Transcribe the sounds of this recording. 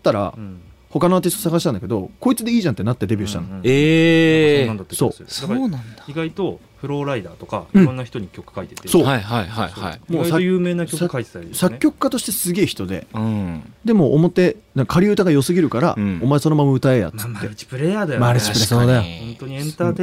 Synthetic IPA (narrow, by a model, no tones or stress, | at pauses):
t̪ːaɾa̰ | ho̞kanoaːt̪ist̪osaɡaɕi̥t̪ãnd̪ake̞d̪o̞ko̞it͡sɨd̪eiːʑãnt̪ːe̞nat̪ːed̪ebʲiːɕi̥t̪ã̰ne | nd̪at̪ːeso̞̰ːdaoːnãnaiɡait̪o̞ | ɸɯ̟ɾo̞ːɾaid̪aːt̪o̞ka̰iɯɾ̟̃ɴõnːaçi̥t̪o̞ɲ̟ikʲo̞kɯ̥kait̪et̪eso̞ːaihaihaia̰imoːsajɯːme̞ːnakjosakaie̥sad̪sakʲːo̞kɯ̟̥kːat̪oɕi̥t̪e̞sɨɡʲe̞ːçi̥t̪o̞d̪ẽ̞̰ | d̪e̞mo̞ʔːmo̞t̪e̞nakḁkʰaɾʲiɯ̟t̪aɡajo̞sɨɡʲiɾɯ̟kaɾa̰omaeso̞nomamaɯ̟t̪ae̞ja̰t̪ɨt̪ːet͡ɕi̥pɯɾejaːd̪ajmaɾɯt͡ɕipɯɾesoːd̪ajoõnt̪oɲiẽnt̪aːd̪e